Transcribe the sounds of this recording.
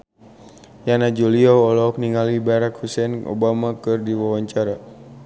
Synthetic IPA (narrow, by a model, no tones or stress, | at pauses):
janad͡ʒuliɔɔlɔk̚niŋalibaɾakhusɛnʔo̰bamakɨrdiwawaɲt͡ʃaɾa